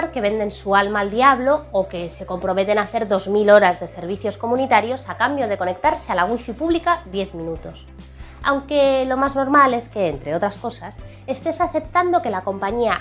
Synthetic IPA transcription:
ɾke̞βe̞nd̪e̞nsualmaːld̪iaβ̞lo̞oke̞se̞ko̞mpɾo̞me̞t̪e̞naθe̞ɾðo̞zmilo̞ɾazðe̞se̞ɾβ̞iθjo̞sko̞mũnit̪aɾjo̞sakambjo̞ð̞e̞ko̞ne̞k̚t̪aɾse̞alaɣ̞wifipuβlikaðje̞θmĩnut̪o̞s | a̰wŋke̞lo̞mazno̞ɾmale̞ske̞ːnt̪ɾe̞o̞t̪ɾasko̞sas | e̞st̪e̞saθe̞p̚t̪and̪o̞ke̞lako̞mpaɲia

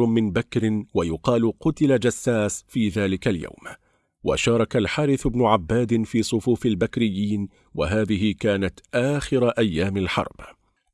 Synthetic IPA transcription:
mɪnbakɾɪnwajʊqɑːlqʊt̪ɪlad͡ʒasːaːsfiːðaːlɪkalja̰wm | wa̰ʃɑːɾˤɑkalħaːɾɪθʊbnʊʕabːaːd̪ɪfiːsˤʊfuːfalbakɾɪjːiːn | wa̰ɦaːðɪɦɪkaːnat̪ʔaːxɪɾaʔajːaːmalħɑ̰ɾˤb̥

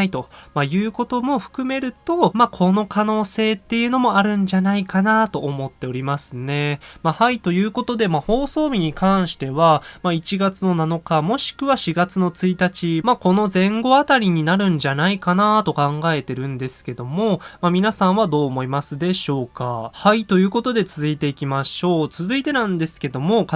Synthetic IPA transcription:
it̪o̞majɯ̟ːko̞t̪o̞mo̞ɸɯ̟̥kɯ̟me̞ɾɯ̟t̪o̞makʰo̞no̞kano̞ːse̞ːt̪ːe̞jɯ̟ːno̞mo̞aɾɯ̟̃ɲ̟d͡ʑanaikanat̪o̞ːmo̞t̪ːe̞o̞ɾʲimasɨne̞mahait̪o̞jɯ̟ːko̞t̪o̞d̪e̞maho̞ːso̞ːbʲiɲ̟ikãɰ̃ɕi̥t̪e̞βamait͡ɕiɡat͡sɨno̞nano̞kamo̞ɕi̥kɯ̟βaɕiɡat͡sɨno̞t͡sɨit̪at͡ɕimako̞no̞zẽ̞ŋɡo̞at̪aɾʲiɲ̟inaɾɯ̟̃ɲ̟d͡ʑanaikanat̪o̞kãŋɡae̞t̪e̞ɾɯ̟̃nd̪e̞sɨ̥ke̞d̪o̞mo̞mamʲinasãɰ̃βad̪o̞ːmo̞imasɨd̪e̞ɕo̞ːkahait̪o̞jɯ̟ːko̞t̪o̞d̪e̞t͡sɨzɨit̪e̞ikʲimaɕo̞ːt͡sɨzɨit̪e̞nãnd̪e̞sɨ̥ke̞d̪o̞mo̞k

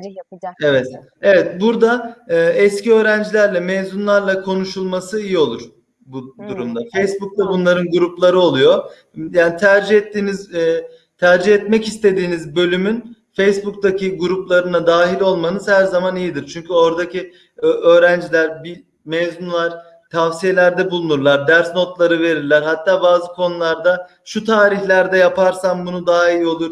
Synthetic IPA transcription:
evɛt̪ | e̞vɛt̪buɾd̪aɯːɛsciø̞ːɾænd͡ʒilʲæɾlʲɛmezunlˠaɾlˠakʰo̞nuʃulˠmasɯijio̞lˠuɾ̥ | bud̪uɾumd̪afejsbuk̚t̪ʰabunlˠaɾɯnɡuɾuplˠaɾɯo̞lˠujo̞ | jaːnit̪ʰæɾd͡ʒihɛt̪ʰːiːniz | t̪ʰæɾd͡ʒihɛt̪mɛcist̪e̞d̪iːnizbø̞lʲymynfejsbukt̪acʰiɡuɾuplˠaɾɯnad̪aːɦilʲo̞lˠmanɯz̥hæɾzamanijid̪iɾt͡ʃʰyɲcyo̞ɾd̪aci | øøːɾænd͡ʒilʲæɾbi | mezmunlˠaɾ̥ | t̪ʰafsije̞lʲæɾd̪ɛbulˠunuɾlˠaɾd̪æɾsno̞t̪lˠaɾɯve̞ɾiɾlʲæɾɦat̪ʰːaːbaːzɯkʰo̞nulˠaɾd̪a | ʃut̪ʰaːɾiçlʲæɾd̪ɛjapaɾsambunud̪aɦaijio̞lˠuɾ

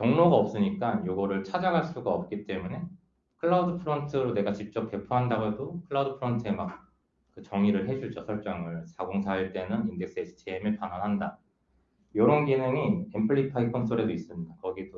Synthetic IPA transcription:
kjʌŋnoɡaʌp̚s͈ɯɲik͈anjoɡʌɾɯɭt͡ɕʰad͡ʑaɡaɭs͈uɡaʌp̚k͈it͈e̞mune̞ | kʰɯɭːaudɯpʰɯɾʌntʰɯɾone̞ɡat͡ɕip̚t͡ɕ͈ʌp̚p͈e̞pʰuɦandaɡoedokʰɯɭːaudɯpʰɯɾʌntʰɯe̞mak̚ | kɯt͡ɕʌŋiɾɯɭɦe̞d͡ʑud͡ʑosʰʌɭt͡ɕ͈ʌŋɯɭsʰaɡoŋsʰaiɭt͈e̞nɯninde̞ks͈esʰi̥t͡ɕʰeemeɭpananɦanda | joɾʌnɡinɯŋiempʰɯɭːipʰaikʰons͈ʰoɾe̞dois͈ɯmɲidakʌɡido

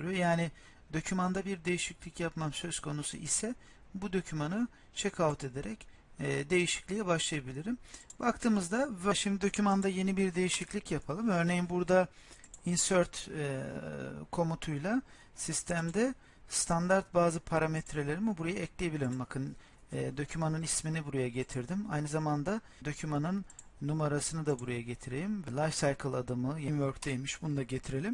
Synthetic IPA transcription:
ɾjojaːnɪ | d̪o̞cʰymand̪abiɾd̪e̞jiʃiclʲicjapmamsø̞zkʰo̞nusṵʔisɛ | bud̪o̞cʰymanɯ | t͡ʃʰekʰavut̪ʰe̞d̪e̞ɾɛcː | d̪e̞jiʃi̥clʲijɛbaʃlˠajabilʲiɾimbakt̪ʰɯːmɯzd̪avaʃimd̪id̪o̞cʰymand̪aje̞nibiɾd̪e̞jiʃiclʲicjapʰalˠɯmø̞ɾnejimbuɾd̪ainsøɾt̪ | kʰo̞mut̪ʰujlˠa | sist̪ʰæmd̪ɛ | st̪ʰand̪aɾt̪̚baːzɯpʰaɾamet̪ʰɾelʲe̞ɾimibuɾajaɛclʲejebilʲiɾimbakʰɯnː | d̪o̞cʰymanɯnisminibuɾajaɟe̞t̪ʰiɾd̪ima̰jnɯzamand̪a | d̪o̞cʰymanɯnː | umaɾasɯnɯd̪abuɾajaɟe̞t̪ʰiɾe̞lʲimvɛlˠajvsajkʰɯlˠad̪ɯmɯjenvøɾkd̪ejmiʃbunud̪aɟe̞t̪ʰiɾe̞lʲim

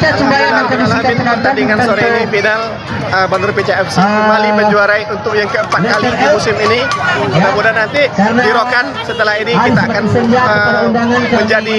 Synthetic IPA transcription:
aaitaənalaɪt̪pərt̪adiŋansoɾɛinifinal | əbanərpet͡ʃaɛfsikəmalipəɲd͡ʒuaɾaiunt̪ʊk̚jaŋkəəmpat̪̚kalidimusɪminiamudanant̪idiɾokansət̪əlaɦinikit̪aakanə | məɲd͡ʒadi

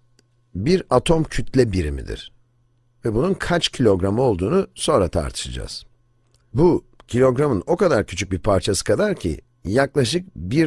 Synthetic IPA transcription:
biɾat̪ʰo̞mcʰyt̪ʰlʲɛbiɾimḭd̪ḭɾ̥ | vɛbununkʰat͡ʃcʰilʲo̞ɡɾamɯo̞lˠd̪uːnuso̞nɾat̪ʰa̰ɾt̪ʰɯ̥ʃad͡ʒa̰z̥ | bu | cʰilʲo̞ɡɾamɯno̞kad̪aɾcʰyt͡ʃʰyc̚biɾpʰaɾt͡ʃʰasɯ̥kʰad̪aɾcʰḭ | jaklˠaʃ̬ɯk̚biɾ

